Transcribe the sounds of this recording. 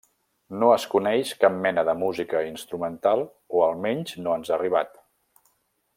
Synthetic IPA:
noəskunɛʃkap̚mɛnəðəmuzikəinst̪ɾumənt̪alˠ | oəlˠmɛɲznoənzariβ̞at̪

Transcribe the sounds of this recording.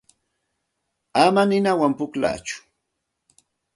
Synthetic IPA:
amanɪnawampʊkla̰ːt͡ʃʊ̥

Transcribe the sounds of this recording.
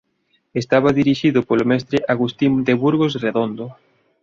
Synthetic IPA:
est̪aβaðiɾiʃiðʊpolomɛst̪ɾeʔaɣust̪ind̪eβuɾɣosreðond̪o

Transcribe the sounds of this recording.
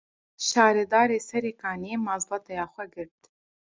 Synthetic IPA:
ʃɑːɾeːd̪ɑːɾeːsɛɾeːkɑːniemɑːzbɑt̪ɛjɑːxʷɛɡɨɾt̪

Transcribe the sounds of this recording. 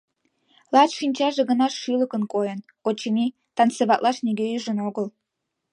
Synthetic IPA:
laʈ͡ʂʷʰint͡ʃʰʼaʐaɡanaʂilɨkʼɨnkʷʼojankʼot͡ʃʰimi | tʰant͡sɨbaʔʼlʔaʂneɡʲeiʐɨnoɡɨl

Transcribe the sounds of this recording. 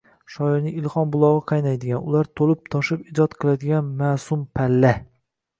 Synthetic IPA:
ʃɒɪɾnɪŋɪlˠχɒnbʊlˠɒʁɨqʰɑjnajd̪ɪɡʲanʊlˠaɾt̪ʰolɪp̚t̪ʰɒʃɪpɪd͡ʒɒt̪qʰɨlˠad̪ɪɡʲanmasʊmpʰalːa

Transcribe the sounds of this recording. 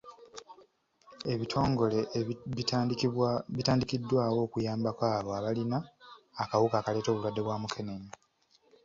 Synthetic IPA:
e̞βitʰo̞ːŋɡo̞le̞ | itaːndikidːwaːwo̞ːkujaːmbakwaːβo̞aβalinaːkawukaːkale̞ːto̞ːβulwadːe̞βwaːmukʰe̞neɲi

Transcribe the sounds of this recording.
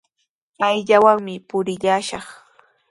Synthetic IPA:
ajʎawaŋmɪpʊɾɪʎaːʃɑχ

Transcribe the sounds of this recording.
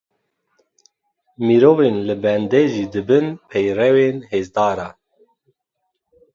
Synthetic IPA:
miɾoːveːnlɨbɛnd̪ɛʒiːd̪ɨbɨnpʰɛjrɛweːnheːzd̪ɑːɾɑː

